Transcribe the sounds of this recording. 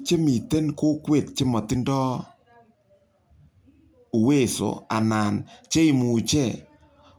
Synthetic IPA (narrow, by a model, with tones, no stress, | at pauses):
t͡ʃe˦mi˨te˦nko˦kwe˨t̚t͡ʃe˦mɔ˨tɪ˦ndɔ˦ | u˨we˦˨so̰˨˦a̰˨na˨nt͡ʃe˦i˨mu˨t͡ʃɛ˦˨